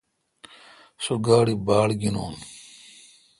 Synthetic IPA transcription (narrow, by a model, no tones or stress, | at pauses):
suɡaːɽibaːlɡino̰ːn